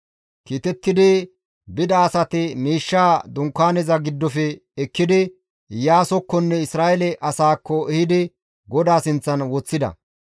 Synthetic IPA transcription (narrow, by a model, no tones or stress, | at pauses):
kiːt̪ɛt̪ːɪd̪ɪ | bɪd̪ɐːsɐt̪ɪmiːʃːaːd̪ʊŋkːaːnɛzɐɡɪd̪ːɔfɛɛkːɪd̪ɪ | jaːsɔkːɔnːɛɪsɾaːʔɛlɛʔɐsaːkːɔɛhɪd̪ɪ | ɡɔd̪aːsɪnt͡sːɐnwɔt͡sːɪd̪ɐ̰